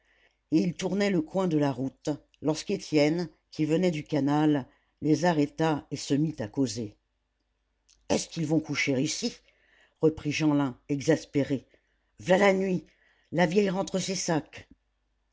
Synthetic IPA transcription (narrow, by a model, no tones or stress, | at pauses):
eilt̪uʁnɛləkwɛ̃d̪əlaʁut̪ | lɔʁsket̪jɛn | kʲivənɛd̪ykanalː | ezaʁɛt̪aesəmit̪akoze | ɛskilvɔ̃kuʃeʁisi | ʁəpχiʒɑ̃lɛ̃ɛɡzaspeʁe | vlalanɥi | lavjɛjʁɑ̃t̪χəsesak